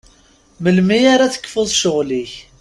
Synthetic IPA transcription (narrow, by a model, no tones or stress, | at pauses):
məlmijaɾaθə̥kːfʊðˤʃoʁliç